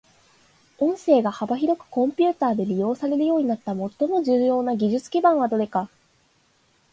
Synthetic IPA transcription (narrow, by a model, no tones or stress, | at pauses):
õ̞ɰ̃se̞ːɡahabaçiɾo̞kɯ̟̥kõ̞mpʲɨ̟ːt̪aːd̪e̞ɾʲijo̞ːsaɾe̞ɾɯ̟jo̞ːɲ̟inat̪ːamo̞t̪ːo̞mo̞ʑɨːjo̞ːnaɡʲiʑɨt͡sɨ̥kʲibãɰ̃βad̪o̞ɾe̞ka